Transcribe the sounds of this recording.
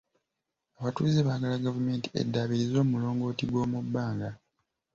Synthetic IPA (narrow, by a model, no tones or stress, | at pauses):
aβatuːzeβaːɡalaɡavume̞ːnti̥e̞̰dːaːβiɾizo̞ːmulo̞ːŋɡo̞ːtiɡwo̞ːmubːaːŋɡa